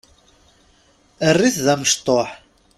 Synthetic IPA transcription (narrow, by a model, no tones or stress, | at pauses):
ərːiθðæməʃt̪ˤoħ